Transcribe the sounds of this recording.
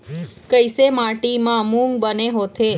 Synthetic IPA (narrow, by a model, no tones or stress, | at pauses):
kəjsemaʈimãmũŋɡ̚bəneɦot̪ʰe